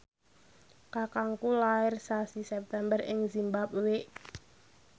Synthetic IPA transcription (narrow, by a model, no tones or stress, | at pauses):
kakaŋkulaɪrsasisɛp̚t̪ɛmbərɪ̰ŋzimbap̚weʔ